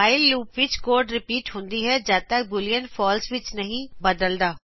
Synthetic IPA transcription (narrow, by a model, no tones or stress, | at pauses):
aːɪlːuːpʋɪt͡ʃkoːɾɖɾɪpiːʈɦõnd̪iɦɛd͡ʒaːt̪ək̚bʊlijənpʰɔːlsʋɪt͡ʃnəɦĩbəd̪əld̪aː